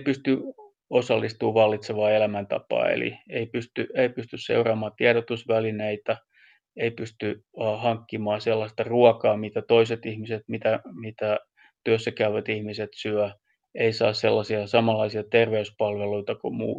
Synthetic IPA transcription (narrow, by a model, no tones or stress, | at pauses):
pyst̪y | osɑlːist̪uːʋɑlːit̪seʋɑːelæmænt̪ɑ̰pɑ̰ːḛlḭeipyst̪yʔeipyst̪yssḛurɑːmɑːt̪iɛɾot̪usʋælineit̪æ | eipyst̪yhɑŋkːimɑːselːɑst̪ɑruɑkɑːmit̪æt̪oiset̪ihmiset̪mit̪æmit̪æ | t̪yøsːækæyʋæt̪ihmiset̪syæ | eisɑ̰ːsselːɑsiɑsɑmɑlːɑisiɑt̪erʋeyspɑlʋeluit̪ɑkomṵː